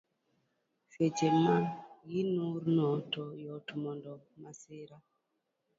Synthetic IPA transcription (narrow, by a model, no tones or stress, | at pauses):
fet͡ʃemajinuɾnɔtɔjɔtumɔndɔ | masiɾa